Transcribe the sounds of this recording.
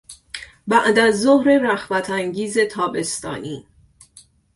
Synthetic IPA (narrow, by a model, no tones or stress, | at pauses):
bæʔd̪æzːohɾe̞ɾæxvæt̪ʰæŋɡiːze̞t̪ʰɒːbe̞st̪ɒ̰ːniː